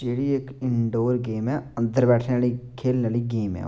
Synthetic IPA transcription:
d͡ʒeːɽiːekɪɳɖoːɾɡeːmɛːə̃nd̪əɾbɛːʈʰnaːliːkʰeːlnaːliːɡeːmɛ̰

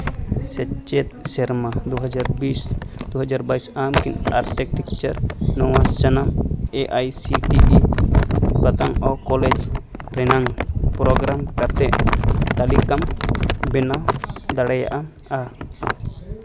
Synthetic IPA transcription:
sɛt͡ʃet̪̚sɛɾmad̪uɦad͡ʒaɾbisd̪uɦəd͡ʒaɾbaisamkinaɾtɛkʈikt͡ʃaɾnɔwast͡ʃənameʔajsiʈibi | bat̪aŋɔkɔlɛd͡ʒɾɛnaŋpɾɔɡɾamkat̪ɛʔt̪alikambɛnad̪aɽaja̰ʔa | a

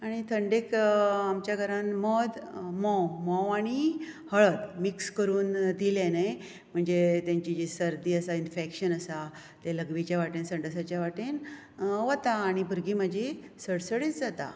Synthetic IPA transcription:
aɽ̃it̪ʰəɳɖekamt͡ɕjaɡʱəɾãnməd̪mɔ̃wmɔ̃waɽ̃ihəɭət̪mikskəɾuːnd̪ilẽnaj | m̤əɳd͡zet̪jãɲt͡ɕid͡ʑisəɾd̪iːəsainfekɕənəsa | t̪eləɡʋit͡ɕjaʋaʈinsəɳɖəsat͡ɕjaʋaʈin | ʋət̪aːɽ̃ibuɾɡiːməd͡ʑʱi | səɽsəɽiːt͡sd͡zat̪a̰

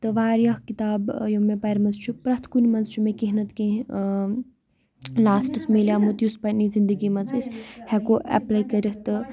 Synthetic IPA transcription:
t̪ɨʋaːɾjɐhkit̪aːbjomẽpɐɾmɐnzt͡ʃʰupɾɐt̪ʰkunʲmɐnzt͡ʃʰumẽkiɦnɐt̪kẽ | laːsʈɨsmelʲjaːmut̪juspɐnizind̪əɡimɐnt͡sishɛkoːʔɐ̰plaːjkɐɾit̪ɨ

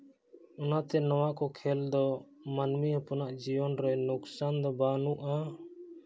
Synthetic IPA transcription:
ɔnat̪ɛnɔwakɔkʰɛld̪ɔmanmiɦɔpɔnaʔd͡ʒiɔnɾɛnuksand̪ɔbanuʔa

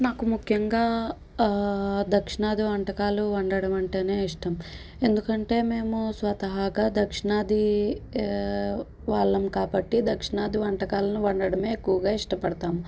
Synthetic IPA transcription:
naːkumukʰjɐŋɡaː | d̪ɐkʂiɳaːd̪iʋɐɳʈɐkaːluʋɐɳɖɐɽɐmɐɳʈe̞ːne̞ːiʂʈɐm | e̞nd̪ukɐɳʈe̞ːme̞ːmusʋɐt̪ɐɦaːɡad̪ɐkʂiɳaːd̪i | ʋaːɭːɐmkaːbɐʈːid̪ɐkʂiɳaːd̪iʋɐɳʈɐkaːlɐnuʋɐɳɖɐɽɐme̞ːekːuʋɐɡaːiʂʈɐpɐɽɐt̪aːmu

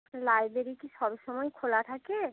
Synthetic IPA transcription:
lajbɾeɾikisɔbʃɔmɔjkʰolat̪ʰake

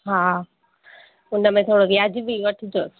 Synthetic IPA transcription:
ɦaː | ʊnəmẽt̪ʰoːɽoʋiad͡ʑiʋiʋɐʈʰɪd͡ʑoːs

